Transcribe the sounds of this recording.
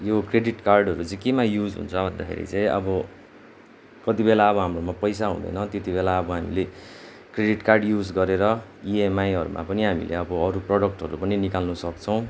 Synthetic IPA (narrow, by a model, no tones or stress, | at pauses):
jokreɖiʈkarɖʌɾut͡sãĩkemajud͡zɦṵnt͡sʰʌbʱʌnd̪akʰḛɾḭt͡sãĩʔʌ̰bʌ | kʌt̪ibelaʌbʌɦamromapʌjs̬aɦṵ̃d̪ʌ̰jnʌt̪et̪ibelaʌbʌɦamḭle | kreɖiʈkarɖjud͡zɡʌɾeɾʌ | iemajɦʌɾṵmʔa̰pʌniɦamḭlḛʌbʌːɾuproɽʌk̚ʈʌɾupʌninikalnusʌkt͡sʰʌw̃